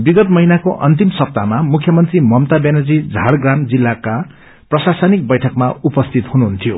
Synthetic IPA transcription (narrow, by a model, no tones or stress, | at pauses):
biɡʌt̪mʌɦinakoʔʌ̰nt̪imsʌp̚t̪amamukʰjʌmʌnt̪rimʌmt̪abenʌd͡zid͡zʱaɽɡramd͡zilːaka | prʌsasʌnik̚bʌjʈʰʌkmaupʌst̪ʰit̪ɦunuɦunt̪ʰijo